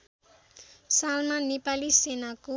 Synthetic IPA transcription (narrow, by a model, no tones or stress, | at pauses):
salmanepalisenaku